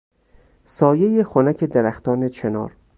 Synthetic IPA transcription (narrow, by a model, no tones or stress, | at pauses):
sɒːje̞jexonæcʰe̞d̪eɾæxt̪ʰɒːnet͡ʃʰenɒ̰ːɾ